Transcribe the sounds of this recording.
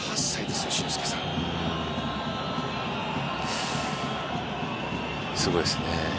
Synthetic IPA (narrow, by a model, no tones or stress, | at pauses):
hasːaid̪eseɕĩsɨ̥ke̥sã | sɨɡo̞isɨne